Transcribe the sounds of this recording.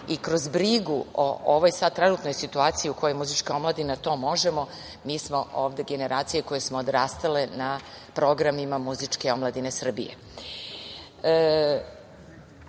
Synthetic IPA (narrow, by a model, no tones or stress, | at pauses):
ikɾo̞zbɾiɡuo̰oʋojsad̪̚t̪ːɾenuːt̪no̞jsit̪uaːt̪sijiukʰo̞jojmuzit͡ʂkao̞mlˠad̪inat̪o̞ːmo̞ʒe̞mo̞ | miːsmo̞ʔoːʋd̪e̞ɡe̞ne̞ɾʔaːt̪sije̞ko̞je̞smo̞od̪ɾaːst̪alenapɾo̞ɡɾamimamuzit͡ʂke̞omlˠad̪ine̞sr̩bḭjḛ